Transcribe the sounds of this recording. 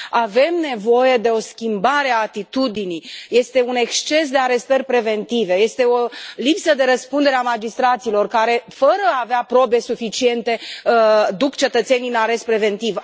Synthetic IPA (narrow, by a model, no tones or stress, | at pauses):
ave̞mne̞vo̞je̞d̪e̞o̞skʲimbaɾeaːt̪it̪ud̪inijje̞st̪e̞une̞kst͡ʃe̞sd̪e̞aɾe̞st̪ərʲpɾe̞ve̞nt̪ive̞je̞st̪e̞olipsəd̪e̞ɾəspund̪e̞ɾeamad͡ʒist̪ɾat̪silo̞rkaɾe̞fəɾəaːveapɾo̞be̞sufit͡ʃie̞nt̪e̞ | d̪ukt͡ʃe̞t̪ət̪se̞ninaɾe̞st̪pɾe̞ve̞nt̪iv